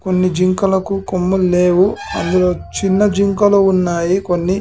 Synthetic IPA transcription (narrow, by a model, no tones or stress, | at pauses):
ko̞nːid͡ʒiŋkɐlɐkukomːulleːʋuɐ̰nd̪ulo̞ːt͡ʃinːɐd͡ʒiŋkɐluunːaːjikonːi